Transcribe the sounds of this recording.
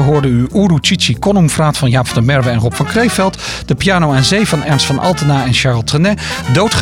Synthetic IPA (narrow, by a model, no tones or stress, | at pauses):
əɦoːɹdəyʔurut͡ʃit͡ʃikɔnumfraːtfɑnjaːpfndəmɛɹvəɛnrɔpfɑnkrejfɛlˠtd̥əpijaːnowɛnzejvɑnɛɹnstfɑnʔɑ̰lˠtənaːɛnʃaɹlˠtrənɛdowtχ